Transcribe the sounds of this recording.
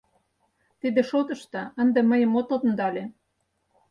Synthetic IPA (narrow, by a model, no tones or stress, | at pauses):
t̪id̪eʃot̪ə̆ʃt̪ɑənd̪eməjə̆mot̪ot̪ə̆nd̪ɑlʲe